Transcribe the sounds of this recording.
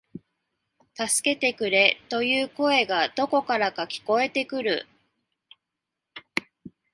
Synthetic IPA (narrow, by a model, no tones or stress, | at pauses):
t̪asɨ̥ke̞t̪e̞kɯ̟ɾe̞t̪o̞jɯːko̞e̞ɡad̪̥o̞ko̞kaɾakakʲi̥ko̞e̞t̪e̞kɯ̟ɾɯ̟̰